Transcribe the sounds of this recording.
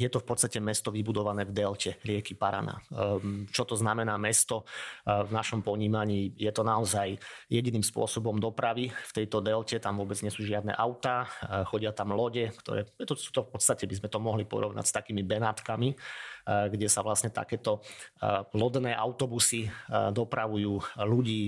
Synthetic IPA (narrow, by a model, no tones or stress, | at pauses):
jɛt̪ɔfpɔt̪st̪acɛmɛst̪ɔʋibud̪ɔʋanɛːvd̪ɛlcʰɛɾɪɛkipaɾa̰na̰ːt͡ʃɔt̪ɔznamɛnaːmɛst̪ɔvnaʃɔmpɔɲiːmaɲiːjɛt̪ɔnaɔzajjɛɟiniːmspʊɔsɔbɔmd̪ɔpɾaʋift̪ɛjt̪ɔd̪ɛlcɛt̪amʋʊɔbɛd͡zɲɪɛsuːʒɪad̪nɛ̰ʔaʊt̪aːxɔɟɪat̪amlɔɟɛkt̪ɔ̰ɾɛ̰ːjɛt̪ɔsu̥ːt̪ɔfpɔt̪st̪acɛbizmɛt̪ɔmɔɦlipɔ̰ɾɔʋna̰ɟst̪akiːmibɛnaːt̪kami | ɡɟɛsaʋlasɲɛt̪a̰kɛːt̪ɔ | lɔd̪nɛːʔa̰ʊt̪ɔbusid̪ɔpɾaʋujuːluɟiː